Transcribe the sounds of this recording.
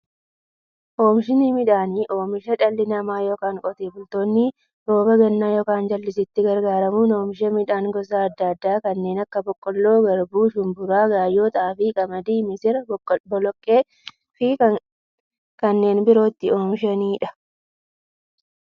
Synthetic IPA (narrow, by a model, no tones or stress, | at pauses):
ʔoːmʃɪnimɪᶑaːniʔoːmɪʃɐᶑɐlːɪnɐmaːjoːkaːŋkʼɔt̪eːbʊlt̪o̞ːnːɪ | ɾ̥o̞ːbɐɡɐnːaːjoːkaːnd͡ʒɐlːɪsɪt̪ːɪɡɐɾɡaːɾɐmunoːmʃ̬ɐmɪᶑaːŋɡɔs̬aːɐd̪ːɐɐd̪ːaːkɐnːe̞ːnɐkːɐbɔkʼːɔlːo̞ːɡɐɾbuːʃʊmbʊɾaːɡaːjo̞ːt̪ɐːfɪkʼɐmɐd̪iːmɪsɪɾɐbɔlɔkʼːeː | fɪ | kɐnːe̞ːnbɪɾo̞ːt̪ːɪo̞ːmɪʃɐniːᶑɐ̥